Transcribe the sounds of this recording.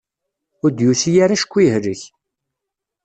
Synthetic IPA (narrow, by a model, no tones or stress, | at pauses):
ʊɾd̪juθijaɾaʃə̥kʷːiɦɾəç